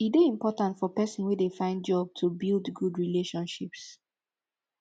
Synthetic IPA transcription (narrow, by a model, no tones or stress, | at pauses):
ideĩmpɔtãntfɔpɛsɔ̃nwɛdefãɪ̃ndd͡ʒɔb̚tʰubildɡudɹileʃɔ̃nʃips